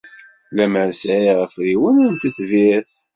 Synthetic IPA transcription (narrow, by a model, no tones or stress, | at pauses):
læməɾsʕiʁəfɾiwænænt̪iθviθ